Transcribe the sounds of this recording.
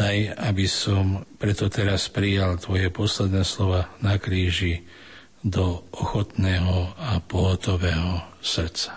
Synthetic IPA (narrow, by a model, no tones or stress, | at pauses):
ajabisɔmpɾɛt̪ɔt̪ɛɾaspɾijalt̪ʋɔjɛpɔslɛd̪nɛːslɔʋaːnakɾiːʒi | d̪ɔʔɔxɔt̪nɛːɦɔapɔɦɔt̪ɔʋɛːɦɔsr̩t͡sḁ